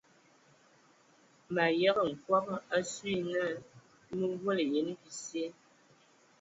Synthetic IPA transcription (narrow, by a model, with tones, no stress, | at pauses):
ma˨jɛ˦ɣə˨ŋ̩˨kwa˦pa˦sɥi˦nə˦˨ | mə˦ɡwə˦lə˨je˨˦n˦bi˨sje˦